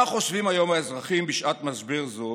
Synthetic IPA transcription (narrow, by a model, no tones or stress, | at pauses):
aχo̞ʃvimajo̞maezʁaχimbiʃʔatmazbiʁzu